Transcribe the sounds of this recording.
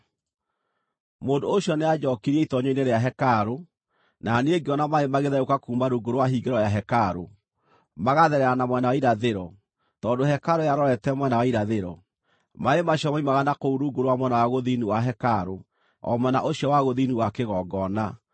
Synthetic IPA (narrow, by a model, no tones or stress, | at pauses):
moːndooɕjɔnead͡ʒɔkiɾieitɔɲeineɾeaɦɛkaɾo | naneeɡeɔnamaemaɣeðaokakuːmbaɾuɡoɾowaɦiɡeɾɔjaɦɛkaɾo | maɣaðɛɾɛɾanamwɛnawaiɾaðeɾɔ | tɔːndohɛkaɾojaɾɔɾɛtɛmwɛnawaiɾaðeɾɔ | maemaɕjɔmaimaɣanakouɾuɡoɾowamwɛnawaɣoðiniwaɦɛkaɾo | ɔ̰mɛnaʔoɕjɔwaɣoðiniwakeɣɔɡɔna